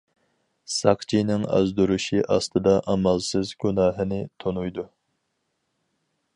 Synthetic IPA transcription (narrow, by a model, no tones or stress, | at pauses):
sɑqt͡ʃʰinɪŋɑ̰zd̪uɾuʃiʔɑst̪ɨd̪ɑʔɑmɑlˠsɨzɡʲunɑːɦɨnɪt̪ʰonujd̪u